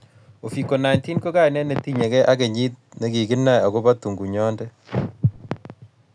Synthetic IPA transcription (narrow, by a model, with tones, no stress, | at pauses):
o˨fi˨ko˨na˨jnti˦nko˦ka˦jnɛ˦ne˨ti˦ɲe˨kɛ˦ʔa˦ke˨ɲi˦t̚ne˨ɡi˨ɡɪ˦nːa˨ja˨ɡo˦ba˦tu˨ŋɡu˨ɲɔ˦ndɛ˦